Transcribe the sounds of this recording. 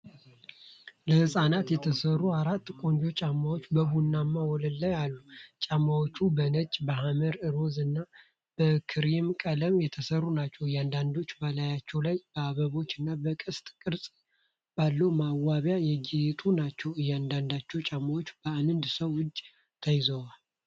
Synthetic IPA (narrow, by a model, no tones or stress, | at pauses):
ləhɨsʼanat̪jɛt̪ʰəsərːuaɾat̪ːkʼo̞nd͡ʒo̞t͡ʃʼamːawot͡ʃːbəhunːamːawɔləlːajalːut͡ʃʼamːawot͡ʃːubənət͡ʃʼbəɦaməɾɨɾo̞zɨnːa | b̥əkʰɨɾimkʼələmjɛt̪ʰəsərːunat͡ʃːɛwɨjːand̪and̪o̞t͡ʃːbəlajat͡ʃːɛwlajb̥əaβəβo̞t͡ʃːɨnːabəkʼɨst̪ʼkʼɨɾsʼ | b̥alːəwmawaβjajɛɡijet̪ʼunat͡ʃːɛwɨjːand̪and̪at͡ʃːɛwt͡ʃʼamːawot͡ʃːb̥əanɨnd̪səwʊd͡ʒʼ | t̪ʰəjɪzəwal